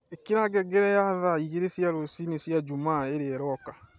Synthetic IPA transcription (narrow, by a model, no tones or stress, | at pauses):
ekiɾaɡɛɡɛɾɛjaðaiɣeɾesjaɾosinesjad͡ʒumaːeɾeɛɾɔka